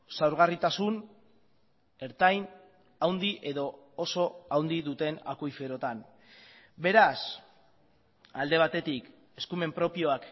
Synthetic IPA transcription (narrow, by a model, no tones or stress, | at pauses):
sawɾɣ̞arit̪asun | e̞ɾt̪ajn | awnd̪iʔe̞ðo̞ | oso̞awnd̪iðut̪e̞na̰kojfe̞ɾo̞t̪an | be̞ɾas | ald̪e̞β̞at̪e̞t̪ik | e̞skume̞mpɾo̞pio̞ak